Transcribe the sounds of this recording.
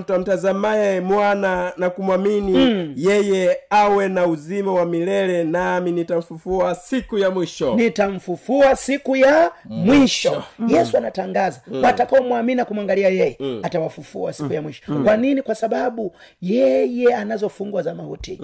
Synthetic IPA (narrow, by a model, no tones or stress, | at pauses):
m̩tam̩tazamaɛmwananakumwaminijɛjɛawɛnauzimawamilɛlɛnaminitaɱ̩fufuasikujamwiʃɔnitaɱ̩fufuasikujamwiʃɔjɛsuanataŋɡazawatakaɔmwaminiakumwaŋɡaliajɛjɛatawafufuasikujamwiʃɔ̥kwaninikwasaɓaɓu | jɛjɛanazɔfuŋɡwazamahṵtḭ